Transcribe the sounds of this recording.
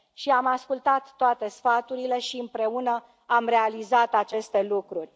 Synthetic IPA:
ʃiamaskult̪at̪ːoat̪e̞sfat̪uɾile̞ʃiɨmpɾe̞unə | amɾe̞alizat̪at͡ʃe̞st̪e̞lukɾurʲ

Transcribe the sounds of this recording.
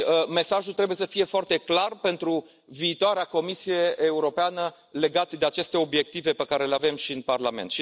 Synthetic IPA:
əme̞saʒult̪ɾebuje̞səfije̞foart̪e̞klarpe̞nt̪ɾu | viːt̪oaɾeako̞misije̞ʔːuɾo̞peanə | le̞ɡat̪d̪e̞at͡ʃe̞st̪e̞o̞bje̞k̚t̪ive̞pekaɾe̞leave̞mʃiɨnparlame̞̰nt̪ʃi

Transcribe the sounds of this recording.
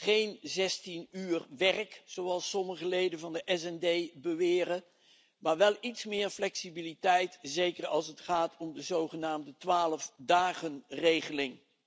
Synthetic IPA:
χejnzɛstinyːrʋɛrkzowɑlˠsɔməχəlejdənvɑndəʔɛsɛndejbəʋɪːɾə | maːɹʋɛlˠitsmɪːɹflɛksibilitɛjtzejkəɹɑlˠsətχaːtʰɔmdəzowχənaːmdətʋaːləfdaːχənrejχəlɪŋ

